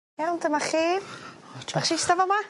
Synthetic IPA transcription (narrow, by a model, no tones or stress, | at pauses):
jawndəmaχeːvaχʃɪstavɔma